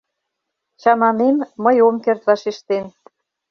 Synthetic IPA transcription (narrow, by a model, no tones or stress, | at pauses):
t͡ɕɑnɑnenmə̆jomkert̪vɑʃeʃt̪en